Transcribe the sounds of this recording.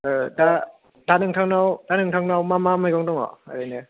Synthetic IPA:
da | danɯŋtʰaŋnawd̥anɯŋtʰaŋnawmamamɯjɡɔŋdɔŋɔ̰a̰ɾajne

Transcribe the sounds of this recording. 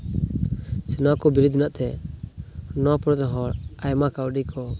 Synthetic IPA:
sɛnakɔbiɾud̪̚minaʔt̪ɛ | nɔpɾɔt̪ɦɔɾajmakawɖikʰɔ

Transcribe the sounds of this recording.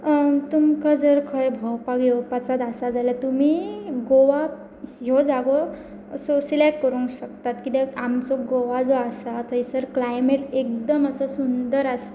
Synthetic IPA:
t̪umkad͡zəɾkʰəjbʱɔwpaɡjopat͡sad̪asad͡zalət̪um̤iɡoʋa | jod͡zaɡo | sɔsilekʈkəɾũŋkɕək̚t̪at̪kit̪ɛamt͡sɔɡoʋad͡zoasat̪ʰəisəɾklajmeʈek̚d̪əməsəsund̪əɾas

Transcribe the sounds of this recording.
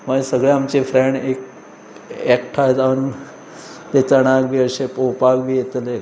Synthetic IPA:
məesəɡɭjeamt͡ɕefɾeɳɖek | ɛkʈʰajd͡zaʋən | t̪et͡səɽ̃aɡʋiəɕepowpaɡʋijet̪le

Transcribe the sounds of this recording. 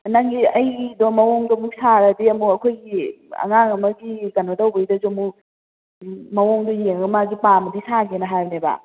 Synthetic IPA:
naŋiɐjdɔmɐwoŋdɔmusaɾɐdiɐmuɐkʰojɡiɐ̰ŋaŋɐmɐɡikɐnotawbɐjdɐzomu | mɐwoŋdɔjeŋɡɐmaɡipamɐdisaɡenɐɦajɾbneba̰

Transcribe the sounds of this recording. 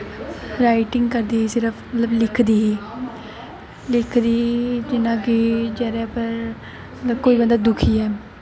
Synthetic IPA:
ɾaːɪʈɪŋɡkəɾd̪iːɦiːsɪɾəpʰmət̪ləblɪkʰd̪iːɦiː | lɪkʰd̪iːd͡ʒɪnãːkɪd͡ʒɛːɾɛːpəɾ | ətəkoːiːbənd̪aːd̪ʊkʰiːɛː

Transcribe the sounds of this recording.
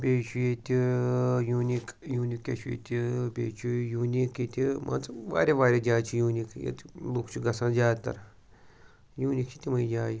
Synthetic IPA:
bʲeːt͡ʃʰujet̪ʲijuːnikjuːnikːḛt͡ʃʰujḛt̪ʲibʲḛːt͡ʃʰujuːnikit̪ʲimʔã̰t͡sʋa̰ːɾʲeʋaːɾʲed͡ʒʲaːt͡ʃʰijuːnikjḛt̪loːkt͡ʃʰiɡɐsãːd͡ʒʲaːt̪ɐ̰ɾ | juːnikt͡ʃʰi̥t̪ʲimɐ̃id͡ʒaːji

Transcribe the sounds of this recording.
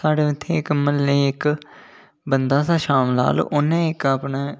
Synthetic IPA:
saːɽeːʊt̪ʰːeːɪkməlːeːɪk | bənd̪aːsaːʃaːmna̰ːlʊnẽːɪkaːpɳeː

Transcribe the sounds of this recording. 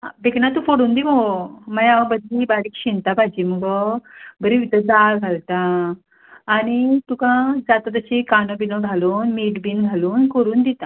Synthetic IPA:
a̰beknat̪ũfoɽuːnd̪imomajabəd̪libaɽiːkɕint̪abʱad͡ʑiːməɡɔbʱəɾiʋit̪əd͡zalɡʱalt̪ãː | ɽ̃it̪ũkãd͡zat̪at̪əɕikanobinəɡʱaluːnmiʈbiːnɡʱaluːnkəɾuːnd̪it̪ã

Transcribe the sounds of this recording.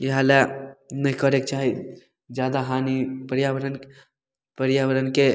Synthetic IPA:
iɦalɛnəɦikəɾek̚t͡ʃaɦi | d͡ʒjad̪aɦanipəɾjaʋəɾən | pəɾjaʋəɾənke

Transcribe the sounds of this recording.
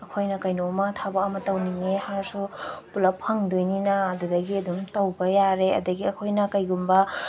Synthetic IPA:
ɐkʰojnɐkɐjnomɐt̪ʰabɐɐmɐtɐwniŋehaɾsupulɐpʰɐŋdojninɐɐdudɐɡiɐd̪umtɐwbɐjaɾeɐ̰dɐɡiɐkʰojnɐkɐjɡumbɐ

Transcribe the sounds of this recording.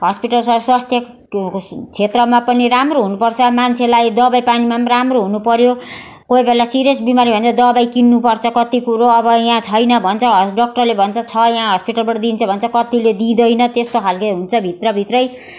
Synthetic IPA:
ɦʌspiʈʌlsʌswast̪ʰjʌ | t͡sʰet̪rʌmapʌniramroɦunupʌrt͡sʰʌmant͡sʰelajd̪ʌbajpanimaramroɦunupʌɾjo | koibelasiɾesbimaɾibʱʌnt͡sʰʌd̪ʌbajkinːupʌrt͡sʰʌkʌt̪ikuɾoʌbʌjãt͡sʰʌjnʌbʱʌnt͡sʰʌɦɖʌk̚ʈʌrlebʱʌnt͡sʰʌt͡sʰʌjãɦʌspiʈalbʌʈʌd̪int͡sʰʌbʱʌnt͡sʰʌkʌt̪iled̪ĩd̪ʌjnʌt̪est̪okʰalkʌɦunt͡sʰʌbʱit̪rʌbʱit̪rʌj

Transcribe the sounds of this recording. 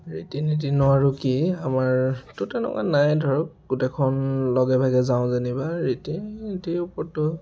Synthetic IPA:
ɹitinit̬inʊwaɹukiamaɹtʊtɛnɔ̰ka̰najdʱɔɹɔk̚ɡutɛkʰɔnlɔɡɛbʱaɡɛzaʊ̃zenibaɹitiitiupɔɹtʊ

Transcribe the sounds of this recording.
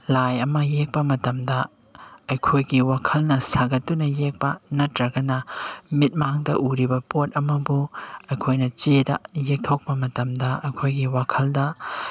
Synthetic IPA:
lajɐmɐjek̚pɐmɐtɐmdɐ | ɐjkʰojɡiwakʰɐlnɐsaɡɐtːunɐjek̚pɐnɐtɾɐɡɐnɐmit̚maŋdɐ̰ʔuɾibɐpot̚ɐmɐbuɐjkʰojnɐt͡ʃedɐ̰jek̚tʰok̚pɐmɐtɐmdɐɐjkʰojɡiwakʰɐldɐ

